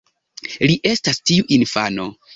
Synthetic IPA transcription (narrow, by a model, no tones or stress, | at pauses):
liʔe̞stastiuʔinfa̰no̞̰